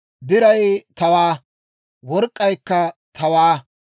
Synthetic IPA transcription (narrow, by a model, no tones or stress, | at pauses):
bɪɾɐjt̪ɐwaː | wɔɾkʼːɐjkːɐt̪ʰɐwaː